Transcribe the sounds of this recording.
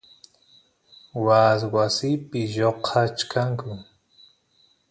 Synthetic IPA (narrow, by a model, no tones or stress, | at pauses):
waswasɪpɪʒoqʰat͡ʃkʰaŋkʊ